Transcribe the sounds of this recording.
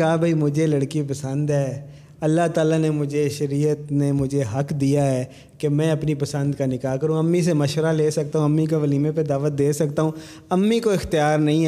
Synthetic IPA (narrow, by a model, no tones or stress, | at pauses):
aːbʱaiːmʊd͡ʒʱeləɽkipəsə̃nd̪ɦɛː | ɐlːaːt̪aːlanemʊd͡ʒʱeʃəɾiːət̪nemʊd͡ʒʱeɦəkd̪ijaɦɛː | kemɛ̃ːɐpnipəsə̃nd̪kanɪkaːkəɾũːəmːis̬emɐʃʋəɾaleːsək̚t̪aːɦũəmːik̬oʋəliːmeped̪aːʋət̪̚d̪eːsək̚t̪aːɦũː | əmːikoɪxt̪ɪjaːɾnɐɦĩːɛ